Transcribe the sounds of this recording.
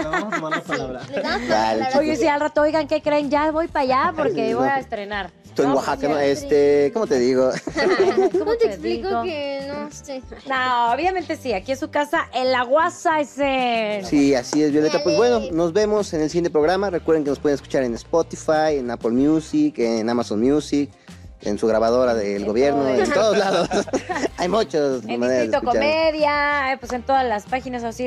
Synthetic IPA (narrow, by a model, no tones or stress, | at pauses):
a̰lojesiʝalrat̪oojɣaŋke̞kɾenʝaβo̞jpaʝapo̞ɾkeβojaest̪ɾe̞naɾ | t̪oeŋɡwaxakanoest̪ekomot̪eðiɣo | oot̪eelikooononooβjament̪e̞siakiensukasaʔenlaɣwasaesesiasie̞zβjole̞t̪apwe̞zβwe̞no̞no̞zβe̞mo̞senelsijent̪epɾoɣ̞ɾamarekwɾðeŋkenospwe̞ðenesku̥t͡ʃaɾenespot̪ifajenapolmjusikenamasonmjusik | ḛnsuɣɾaβaðo̞ɾaðelɣo̞βje̞ɾnoenoðozlaðosajmut͡ʃasmane̞ɾazðet̪okot͡ʃaɾmeðjapwese̞nt̪o̞ðazlaspaxinasosi